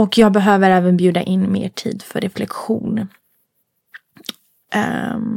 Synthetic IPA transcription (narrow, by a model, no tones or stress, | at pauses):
ɔkʰjɑːɡ̚bɛɦøːvəɾɛːvənbjʉ̟ːd̪a̰ʔɪnːmḛːʈʰḭːd̪fœ̰ɾɛflɛkɧuːn